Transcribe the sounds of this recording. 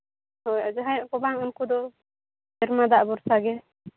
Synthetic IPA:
hɔjad͡ʒɛɦajʔkɔbaŋunkud̪ɔ | d͡ʒɛɾmad̪aʔbɔɾsaɡɛ

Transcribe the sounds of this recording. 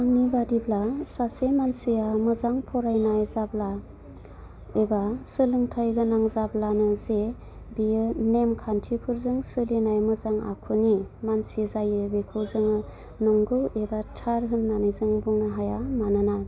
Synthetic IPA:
aŋibadiblasasemansijamɯzaŋpʰɔɾajnajzabla | ebasɯlɯŋtʰajɡɯnaŋzablanɯze | bijɯnemkʰantʰipʰuɾzɯŋsɯlinajmɯzaŋa̰kʰunimansizajɯbekʰɯzɯŋɯ | nɔŋɡɯebatʰaɾɦɯnːanɯjzɯŋbuŋnaɦajamanɯna

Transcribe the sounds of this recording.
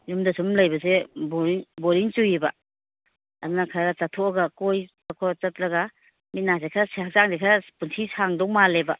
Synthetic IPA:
jumdasumlɐjbɐs̬ebɔɾiŋbɔɾiŋt͡ʃujiba | ɐdunakʰaɾɾat͡ʃatʰɔaɡakoj | akʰɔt͡ʃɐt̚laɡa | mit̚nasekʰaɾaseazaŋdekʰaɾapunsʰisaŋdɔŋmaleba

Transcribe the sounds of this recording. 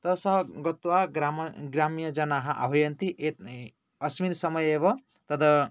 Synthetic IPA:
t̪ʌsʌɦʌɡʌt̪waɡɾamɡɾamijʌd͡zʌnaɦãʔa̰bʌjʌnt̪iʔe | ʌsmiɾsʌmʌjebʌ | t̪ʌd̪ʌ

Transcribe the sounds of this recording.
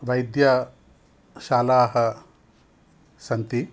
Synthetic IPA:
ʋɐjd̪jɐ | ʃaːlaːɦɐ | sɐnt̪i

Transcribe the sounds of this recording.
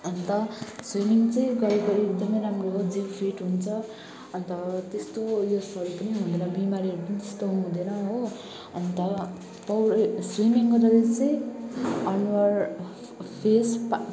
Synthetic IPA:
ʌnt̪ʌswimiŋt͡sʌj̃ɡʌɾekoek̚d̪ʌmʌjɾamrod͡zibpʰiʈɦunt͡sʰʌ | ʌnt̪ʌt̪est̪ojosʌɾupʌniɦũd̪enʌbimaɾiɦʌɾupʌnit̪est̪oɦũd̪enʌɦo | ʌnt̪ʌ | pʌwrswimiŋɡʌd̪ʌd̪et͡sʌ̃j̃ | ʌnwʌr | pʰesp

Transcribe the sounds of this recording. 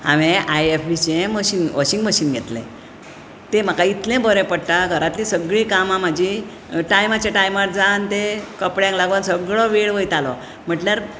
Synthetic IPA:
a̰ʋẽʔajefbit͡ɕẽməɕiːnʋɔɕĩŋɡməɕiːnɡʱet̪lḛ̃ | t̪em̤əkait̪lẽbɔɾɛ̃pəɽt̪aɡʱəɾat̪lisəɡɭiːkamãm̤ad͡ʑʱi | ʈajmat͡ɕjaʈajmaʈ̚d͡zant̪ekəpɽjãŋklaɡʋansəɡɭɔʋeɭʋəjt̪alɔ | m̤əʈljaɾ

